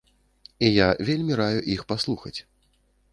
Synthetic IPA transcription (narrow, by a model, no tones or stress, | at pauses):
ijavʲelʲmʲiɾajuʔixpaslˠuxɐ̰t͡sʲ